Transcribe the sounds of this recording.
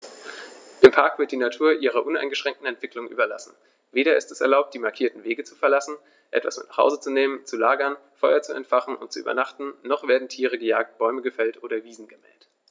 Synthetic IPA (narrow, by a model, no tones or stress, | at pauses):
ʔɪmpʰaɐkv̥ɪɐt̚d̥iːnatʰuːɐʔiːʁ̞ɐʔʊna̰ɪnɡəʃʁ̥ɛŋktn̩ɛntv̥ɪklʊŋʔy̰ːbɐla̰sn̩ | veːɾɐɪ̰stɛsɛɐlaʊp̚td̥iːmaɐkʰiːɐtn̩veːɡət͡su̥fɛɐlasn̩ | ʔɛ̰tv̥a̰smɪnaːχha̰ʊzət͡suneːmənt͡sulaːɡɐnfɔʏɐt͡suɛ̰ntfaχn̩ʊ̰nt̚t͡suʔyːbɐ̰naχtn̩ːɔχv̥eːɐdn̩tʰiːʁ̞əɡəja̰ːk̚t̚b̥ɔʏməɡəfɛltʔoːɾɐviːzn̩ɡəmɛ̰ːlt